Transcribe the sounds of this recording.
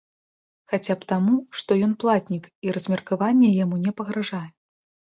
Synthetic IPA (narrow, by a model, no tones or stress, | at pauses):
xat͡sʲapt̪amuʂt̪ɔjɔnplˠat̪ʲnʲikiɾɐzʲmʲɛrkavanʲːɛjamunʲɛpɐɣɾaʐajɛ